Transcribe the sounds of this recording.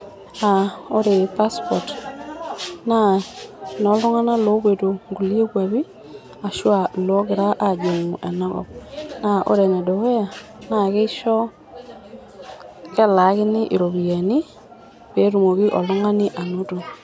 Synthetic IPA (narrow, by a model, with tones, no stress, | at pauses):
a˨o˦ɾe˨pa˦spɔ˨t | na˦nɔ˨˦lo˦ŋa˦na˦lo˦βwe˨to˨ŋɡu˨li˦e˦kwa˨βi˦ | a˨ʃwa˨lo˦ɣe˨ɾa˦ʔa˦˨d͡ʒo˨ŋu˨ʔɛ˨na˦ɣɔ̰˨na˦ʔo̰˦ɾe˨nɛ˨do˨we˦ja˨ | na˦˨ke˦i˦ʃɔ˦ | kɛ˦la˨˦ɣe˦nɪ˦ʔi˨ɾo˨βi˨a˨ni˦ | βe˨˦ɾu˨mo˨ɣi˦ʔɔ˨lo˦ŋa˦ni˦ʔa˨no˦to˨